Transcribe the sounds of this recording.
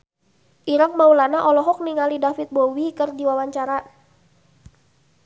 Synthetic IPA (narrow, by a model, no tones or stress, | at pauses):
ʔiɾəŋmaulanaʔɔlɔɦɔk̚niŋalidafit̪̚bowikərdiwawaɲt͡ʃaɾa